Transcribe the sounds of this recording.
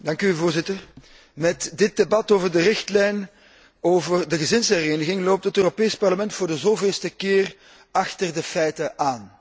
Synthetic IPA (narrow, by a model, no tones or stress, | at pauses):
dɑŋkyvoːrzɪtər | mɛtdɪt̚debɑtoːvərdərɪxtlɛjn | oːvərdəɣəzɪnshəɾeːnəɣɪŋloːp̚tətøːropeːspɑrləmɛntfoːrdəzoːveːlˠstəkɪːr | ɑxtərdəfɛjtəʔaːn